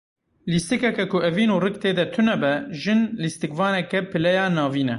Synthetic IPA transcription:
list̪ɨkɛkɛkʊɛviːnuːrɨkt̪eːd̪ɛt̪ʰunɛbɛʒɨnlist̪ɨkvɑːnɛkɛpʰɨlɛjɑːnɑːviːnɛ

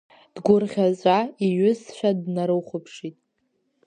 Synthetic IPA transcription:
d̥ɡʷʊrʁʲazʷʼaiɥʏsʃʷᶣadnaɾɨwχʷʊpʰʂitʼ

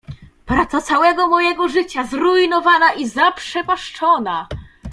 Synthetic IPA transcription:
pɾat̪sat̪sawɛɡɔmɔjɛɡɔʐɘt͡ɕazɾuinɔvanaʔizapʂɛpaʂt͡ʂɔna

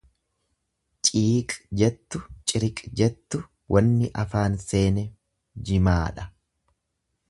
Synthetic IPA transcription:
t͡ʃʼiːkʼd͡ʒɛt̪ːʊt͡ʃʼɪɾɪkʼd͡ʒɛt̪ːʊ | wʔɐnːɪʔɐfaːnse̞ːnɛ | d͡ʒɪmaːᶑɐ

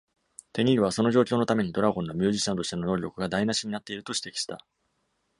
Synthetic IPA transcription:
t̪e̞ɲ̟iɾʲɯ̟βaso̞no̞ʑo̞ːkʲoːno̞t̪ame̞ɲ̟id̪o̞ɾaɡõ̞nːo̞mʲɨ̟ːʑiɕãnt̪o̞ɕi̥t̪e̞no̞no̞ːɾʲo̞kɯ̟ɡad̪ainaɕiɲ̟inat̪ːe̞iɾɯ̟t̪o̞ɕi̥t̪e̞̥kʲi̥ɕi̥t̪a̰

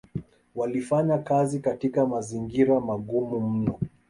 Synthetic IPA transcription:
walifaɲakazikatikamaziŋɡiɾamaɠumum̩nɔ

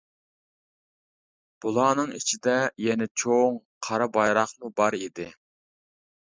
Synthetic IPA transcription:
b̥ulˠɑːnɨŋit͡ʃʰid̪ɛjɛnɛt͡ʃʰoŋ | qʰɑɾɑbɑjɾɑχmubɑɾid̪ɪ

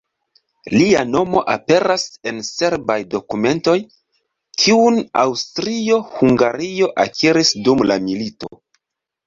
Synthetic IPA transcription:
liano̞mo̞̰ʔape̞ɾase̞nse̞ɾbajdo̞kume̞nto̞j | kʰiuna̰wstɾio̞huŋɡaɾio̞ʔakʰiɾisdumlamilito̞̰

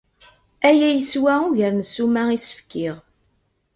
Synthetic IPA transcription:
æjæjəswæuʝəɾnsumæisə̥fkːiʁ

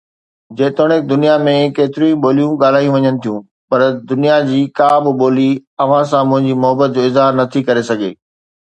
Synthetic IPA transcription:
d͡ʑeːt̪ʊɽ̃ek̚d̪ʊnijamẽkeːt̪ɪɾĩũɓoːlijũɠaːl̤aːijũʋɐɲənɪ̆t̪ʰijũː | pɐɾd̪ʊnijad͡ʑiːkaːbɪɓoːliɐʋ̤ãsãmʊ̃ɦɪ̃ɲd͡ʑimʊɦəbət̪̚d͡ʑoːɪzɦaːɾnɐt̪ʰikɐɾesɐɡʱḛː

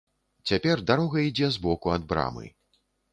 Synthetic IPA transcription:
t͡sʲapʲɛrd̪aɾɔɣɐid͡zʲɛzbɔkuɐd̪̚bɾa̰mɨ̰

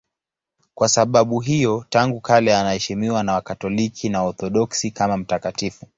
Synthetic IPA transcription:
kwʔasaɓaɓuɦijɔtaŋɡukʰalɛanahɛʃimiwanawakatɔlikʰinaɔθɔɗɔksikamam̩takatifu

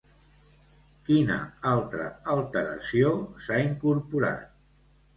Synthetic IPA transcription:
kinə̰alˠt̪ɾə̰əlˠt̪əɾə̰siosaiŋkuɾpuɾa̰t̪̚

